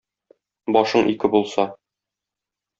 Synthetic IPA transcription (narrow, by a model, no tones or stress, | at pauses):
bɒʃɤɴʔikɘbulˠsɑ